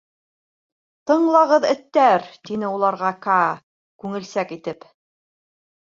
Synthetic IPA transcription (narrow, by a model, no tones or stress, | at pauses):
t̪ɤ̆ɴlˠɑʁɤðɘ̆t̪ːæɾt̪inɘulˠɑɾʁɑka | kʉŋɘ̆lsækit̪ɘp